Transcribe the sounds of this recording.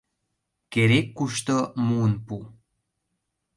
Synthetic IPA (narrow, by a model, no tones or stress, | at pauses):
keɾekːuʃt̪omuənpu